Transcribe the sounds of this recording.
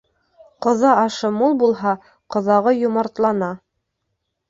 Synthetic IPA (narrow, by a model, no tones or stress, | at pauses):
qŏðɑɑʃɤmulˠbulˠɦɑ | qŏðɑʁɤjŏmɑɾt̪lˠɑnɑ